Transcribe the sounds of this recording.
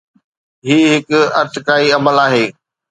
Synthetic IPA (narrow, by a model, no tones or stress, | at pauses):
ɦiːɦɪkɐɾt̪ɪkaːiɐməlaːɦeː